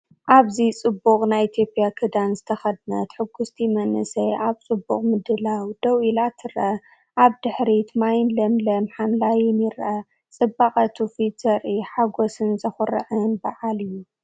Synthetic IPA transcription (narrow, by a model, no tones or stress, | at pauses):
ʔaβzit͡sʼɨbːuχʼnajit̪ʰjo̞pʼijakʰɨd̪anzɨt̪ʰɐxɐd̪nɐt̪ħɨɡːust̪ʰimɐnɨsɐʔaβt͡sʼɨbːṵχʼmɨd̪ɨlawd̪̥ɐwilat̪ʰɨɾʔɐ | ʔaβd̪ɨħɾit̪majnlɐmlɐmħamlajɛnjɪɾʔɐ | t͡sʼɨbːaχʼɐt̪ʰufit̪zɐɾʔiħaɡosɨnzɐxɨɾɨ̰ʕɨnbaʕalɨjːu